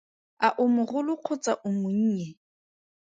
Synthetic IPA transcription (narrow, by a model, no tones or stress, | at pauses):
aʔʊmʊɣʊlʊq͡χʰʊt͡sʼaʔʊmʊɲ̩ːɲɛ